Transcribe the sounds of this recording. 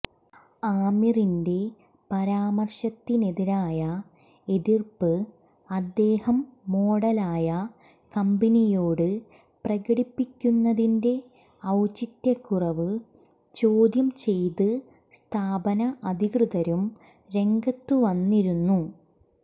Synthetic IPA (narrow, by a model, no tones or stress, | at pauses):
aːmirinde̞ | pɐɾaːmɐrʂɐt̪ːine̞ðiɾaːjɐ | e̞ðirpːɨ | ɐd̪ːe̞ːhɐmːo̞ːɽɐlaːjɐ | kɐmbɐnijo̞ːɽɨ | prɐɣɐɽipːikʲːunːɐðinde̞ | ɐwt͡ɕit̪ːjɐkːurɐʋɨ | t͡ɕoːd̪jɐmt͡ɕe̞jt̪ɨ | st̪ʰaːbɐnɐʔɐd̪ʱikrɨðɐɾum | ɾe̞ŋɡɐt̪ːuʋɐnːiɾunːu